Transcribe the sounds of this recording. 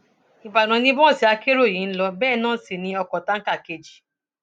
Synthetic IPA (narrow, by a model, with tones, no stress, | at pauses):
i˨ba˨nɔ̃˨nĩ˦bɔ̃˦˨si˨a˦ke˦ɾo˦˨ji˨n̩˦lɔ˧bɛː˦˨nɔ̃˦˨si˨nĩ˦ɔ˧kɔ˨ta˦ŋ̩˦ka˦˨ke˨d͡ʒi˨